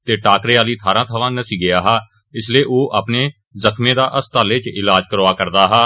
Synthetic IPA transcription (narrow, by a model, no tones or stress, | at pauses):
t̪eːʈaːkɾeːaːliːt̪ʰaːɾãːt̪ʰəʋãːnəsiːɡɪjaːɦaː | ɪsleːʔoːʔaːpneː | zəkʰmẽːd̪aːʔəst̪aːleːt͡ʃɪlaːd͡ʒkəɾoːaːkəɾd̪aːɦaː